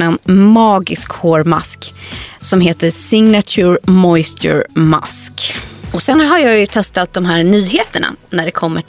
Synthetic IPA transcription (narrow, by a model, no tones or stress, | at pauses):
ɛnmɑːɡɪskhoːɾma̰sksɔmɦeːt̪əsɪŋnat̪ʰʉːɾmɔjst̪ʰɵ̰ɾma̰skɔsɛnɦaɾjɑːjɵt̪ʰɛst̪at̪̚d̪ɔmɦæːɾɳyːɦeːt̪əɳa̰næɖɛkʰɔmːə